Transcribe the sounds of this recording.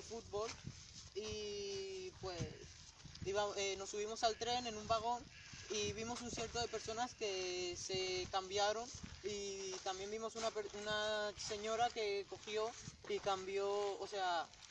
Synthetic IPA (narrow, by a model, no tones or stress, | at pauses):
fut̪̚βo̞l | i | pwe̞s | iβaeno̞suβ̞imo̞salt̪ɾe̞ne̞nũmbaɣ̞o̞n | iβimo̞sunsjeɾt̪o̞ðe̞pe̞ɾso̞naske̞se̞kambjaɾo̞nit̪ambje̞mbimo̞sunapeɾunase̞ɲo̞ɾake̞ko̞xjo̞ikambjo̞ːse̞a